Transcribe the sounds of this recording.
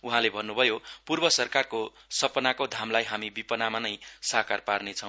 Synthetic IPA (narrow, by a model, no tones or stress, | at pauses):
uɦãlebʱʌnːubʱʌjopurbʌsʌrkarko | sʌpʌnakod̪ʱamlajɦamibipʌnamanʌjsakarparnet͡sʰʌw̃